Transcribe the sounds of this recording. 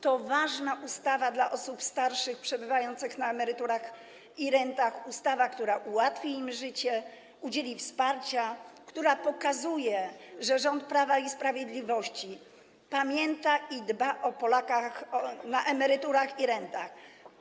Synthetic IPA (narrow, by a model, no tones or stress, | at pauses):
t̪ɔvaʐnaʔust̪avad̪laʔɔsupst̪aɾʂɘxpʂɛbɘvajɔnt̪sɘxnaɛmɛɾɘt̪uɾax | iɾɛnt̪axust̪avakt̪uɾaʔuwat̪fʲiimʐɘt͡ɕɛ | ud͡ʑelʲifspaɾt͡ɕakt̪uɾapɔkazujɛʐɛʐɔnt̪̚pɾavaispɾavʲjed̪lʲivɔɕt͡ɕi | pamʲjɛnt̪aʔid̪baʔɔpɔlakaxɔnaʔɛmɛɾɘt̪uɾaxiɾɛnt̪ax